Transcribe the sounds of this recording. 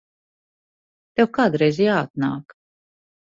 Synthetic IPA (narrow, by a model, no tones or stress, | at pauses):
t̪ɛwkaːd̪uɾɛjzijaːat̪̚na̰ːk